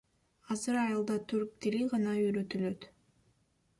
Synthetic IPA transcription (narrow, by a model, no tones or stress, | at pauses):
ɑzɯɾɑjɑlˠd̪ɑt̪ʰyɾk̚t̪iɾiʁɑnɑyjɾø̞t̪ylø̞t̪